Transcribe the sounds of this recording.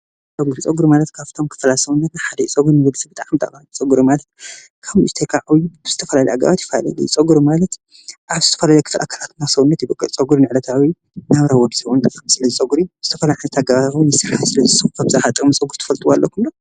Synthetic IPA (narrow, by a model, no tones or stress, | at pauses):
t͡sʼɐɡuɾit͡sʼɐɡuɾmalɐt̪kʰaft̪ʰo̞mkʰɨ̥flasɐwunːɐt̪naħad̪ɐit͡sʼɐɡuɾnɨwɐd̪sɐbɨt̪ʼaʕamt̪ʰʼa̰kʼat͡sʼɐɡuɾumalɐt̪ | kʰaβust̪ʰekʰaʕawiz̥ɨt̪ʰɐfɐlalɐjaɡa̰βat̪ji̥fɐla̰la̰lujit͡sʼɐɡuɾumalɐt̪ | ʔaβzɨt̪ʰɐfɐlalɐjkʰɨflʔa̰kʰalat̪nasɐwunːɐt̪jibɐkʼːɨlt͡sʼɐɡuɾnɨʕlɐt̪ʰawi | naβɾawɔd̪zɨwont̪ʼamsɨlɐzɨt͡sʼɐɡuɾiz̥ɨt̪ʰɐfɐlajʕanɨt̪ʰaɡaβawinɨsɨɾhasɨlɐzɨsɨxkʰabzaħat̪ʼmɨsʼɐɡuɾt̪ʰɐ̥fɐlt̪ʼuwalːʔokʰunlo